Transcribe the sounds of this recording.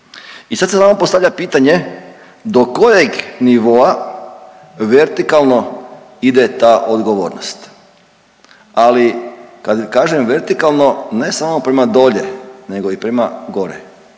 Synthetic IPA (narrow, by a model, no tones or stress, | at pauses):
isad̪sesaːmopo̞st̪aʋʎapiːt̪aɲe̞ | d̪okojeɡniʋo̞a | ʋeɾt̪ikalˠno̞ | id̪et̪aʔod̪ɡoʋo̰ːɾnost̪ | alikad̪kaːʒemʋe̞ɾt̪ikalˠno̞ne̞samopɾemad̪o̞ʎene̞ɡo̞ipɾemaɡo̞ɾḛ